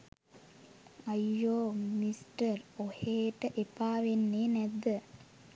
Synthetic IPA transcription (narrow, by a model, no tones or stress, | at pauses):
ajːoːmisʈəɾoheːʈəʔepaːʋenːeːnæd̪ːə